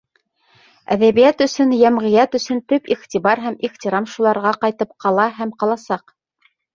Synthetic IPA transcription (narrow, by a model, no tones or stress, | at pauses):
æ̰ðæβijæt̪ɵ̆sɵnjæmʁɘ̆jæt̪ɵ̆sɵnt̪ɵpiʁt̪ʲiβɑɾɦæmiʁt̪ʲiɾɑmʃulˠɑɾʁɑqɑjt̪ɤp̚qʰɑlˠɑɦæmqɑlˠɑsɑq